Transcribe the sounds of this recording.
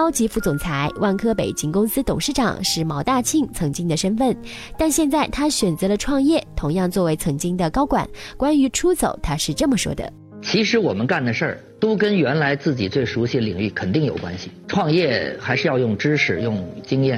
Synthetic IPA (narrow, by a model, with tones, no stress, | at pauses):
ɑ˥ʊt͡ɕi˧˥fu˥˩t͡sʊ˨˩ŋt͡sʰa˧˥ɪwʔa˥˩nkʰɤ˥pe˨˩ɪt͡ɕi˥ŋkʊ˥ŋsɹ̩˥t̪ʊ˨˩ŋʂɻ̩˥˩ʈ͡ʂɑ̰˨˩ŋʂɻ̩˥˩mɑ˧˥ʊt̪a˥˧t͡ɕʰi˥˩ŋt͡sʰɤ˧˥ŋt͡ɕi˥ŋd̪ə˨ʂə˥nfə˥˩n | t̪a˥˧nɕjɛ˥˧nt͡sa˥˩ɪt̪ʰa˥ɕɥɛ˨˩nt͡sɤ˧˥lə˧ʈ͡ʂʰwɑ˥˧ŋjɛ˥˩t̪ʰʊ˧˥ŋjɑ˥˧ŋt͡swɔ˥˩we˧˥ɪt͡sʰɤ˧˥ŋt͡ɕi˥ŋd̪ə˨kɑ˥ʊkwa̰˨˩˦nkwa˥ny˧˥ʈ͡ʂʰu˥t͡so˨˩ʊt̪ʰa˥ʂɻ̩˥˧ʈ͡ʂɤ˥˩mə˩ʂwɔ̰˥d̪ə̰˩ | t͡ɕʰi˧˥ʂɻ̩˧˥wɔ˨˩mə˦nka˥˩nd̪ə˩ʂə˞˥˩ | t̪o˥ʊkə˥nɥɛ˧˥nla˧˥ɪt͡sɹ̩˥˩t͡ɕi˨˩t͡swe˥˩ɪʂu˧˥ɕi˨d̪əlḭ˨˩ŋy˥˩kʰə˨˩nt̪i˥˩ŋjo˨˩ʊkwa̰˥nɕi˨ʈ͡ʂʰwɑ˥˧ŋjɛ˥˩xa˧˥ɪʂɻ̩˧jɑ˥˧jʊ˥˩ŋʈ͡ʂɻ̩˥ʂɻ̩˨˩jʊ˥˩ŋt͡ɕi˥ŋjɛ˥˩